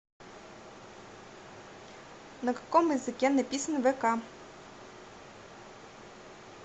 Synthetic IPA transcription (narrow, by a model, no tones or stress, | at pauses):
nɐkɐ̥kɔmjizɪkʲɛnɐpʲisnʋɛkɑ